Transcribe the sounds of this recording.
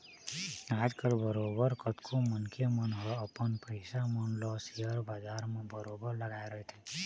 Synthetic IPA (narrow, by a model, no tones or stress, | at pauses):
aːd͡ʒkəlbəɾobəɾkət̪kʰomənkʰemənɦɔəpənpəɪsamənlɔsiəɾbaːd͡ʒaːɾmẽbəɾobəɾləɡaːeɾəɦet̪ʰɛ